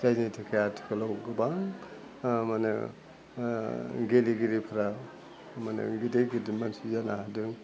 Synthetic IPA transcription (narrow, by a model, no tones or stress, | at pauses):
zaznitʰikʰajatʰɯ̥kʰɯlawɡɯbaŋ | manɯ̰ | ɡeliɡiɾipʰɯɾa | manɯ̰ɡideɡidimansizanadɯŋ